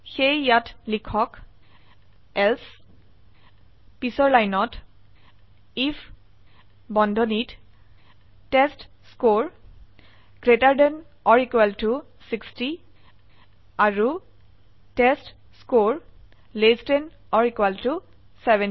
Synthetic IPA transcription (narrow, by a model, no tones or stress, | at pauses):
xejːatlikʰɔk | ɛls | pisɔɹlajnɔt | ifʰ | bɔndʱɔnit | tɛstskoɹ | ɡɹetaɹdɛnɔɹikwaltu | siksti | aɹu | tɛst | skoɹ | lesten | ɔɹikwaltu | sɛbɛ̃n